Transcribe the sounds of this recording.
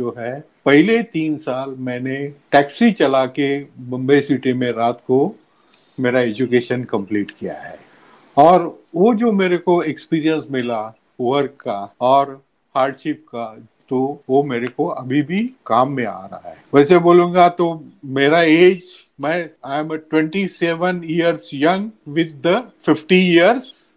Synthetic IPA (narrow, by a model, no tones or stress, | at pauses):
d͡ʒoːɦɛ | pɛɦɪlet̪iːnsaːlmɛ̃ːneʈɛːksit͡ʃɐlakebɐ̃mbesiːʈimẽɾaːt̪ko | meːɾaeːd͡ʒukeːʃənkɐ̃mpliːʈkija̰ɦɛ̰ː | ɔːɾ | ʋod͡ʒoːmeːɾekoekspiːɾijə̃nsmɪla | oəɾkkaɔːɾ | haːɾɖʃɪp̚ka | t̪oʋomeːɾekoɐbʱibʱikaːmːẽa̰ːɾɐ̰ɦa̰ɦɛːʋɛːseboːlũːŋɡat̪omeːɾaeːd͡ʒ | mɛ̃ːaɪməʈwɛ̃ɳʈiseːʋənijəɾzjɐ̃ŋɡʋɪd̪ːəfɪfʈiijəɾz